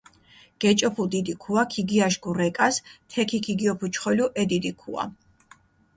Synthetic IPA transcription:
ɡ̥ɛt͡ʃʼɔpʰud̪id̪ikʰuakʰiɡiaʃɡuɾɛkʼast̪ʰɛkʰikʰiɡiɔpʰut͡ʃʰχɔluʔɛd̪id̪ikʰṵa̰

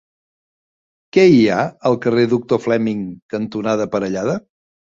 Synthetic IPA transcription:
kɛiaəlˠkəreðuk̚t̪oflɛmiŋkənt̪unað̞əpəɾəʎaðə

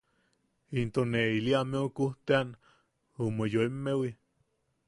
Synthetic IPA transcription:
int̪oneiliameokuht̪ean | omojoemːewi

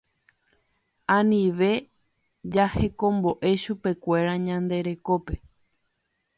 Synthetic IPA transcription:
ãnĩʋe̞ | d͡ʒahe̞kõ̞mbo̞ʔe̞ʃupe̞kʷe̞ɾaɲãnd̪e̞ɾe̞ko̞pe̞

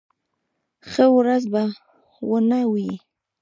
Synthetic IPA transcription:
xəwɾazba | wənawji

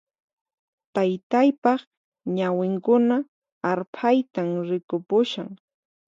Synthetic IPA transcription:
t̪ajt̪ajpɑχ | ɲawɪŋkʊna | aɾpʰajt̪amɾɪkʊpʊʃa̰ŋ

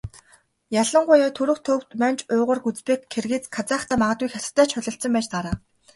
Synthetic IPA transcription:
jaɮə̆ɴɢʊjaːt̪ʰɵɾɵ̆xt̪ʰɵw̥t̪mænt͡ɕʊːʁə̆rɡut͡speːkʰːerɣeːt͡skʰat͡sæːχt̪ʰæːmaʁə̆t̪ɡujxasɪ̥̆t̪ːæːt͡ɕχʊɮɞ̆ɬt̪sɞ̆mpæːt͡ɕt̪aɾaː

